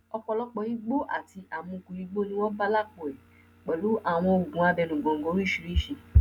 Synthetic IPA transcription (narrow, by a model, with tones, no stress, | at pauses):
ɔ˧k͡pɔ˧lɔ˦k͡pɔ˧i˦ɡ͡bo˦ʔa̰˦˨ti˧ʔa˨mũ˨˧kũ˧˨ɾi˧ɡ͡bo˦nĩ˦w̃ɔ̃˦ba˦la˦˨k͡po˨ɛ˨ | k͡pɛ˨lu˨˦ʔa˦˨w̃ɔ̃˧o˨ɡũ˨˦a˧bɛ˧nũ˨ɡɔ̃˨ŋ̩˨ɡɔ̃˨˦ɾ̃ũ˦i˦ʃi˧ɾi˦˨ʃi˧˨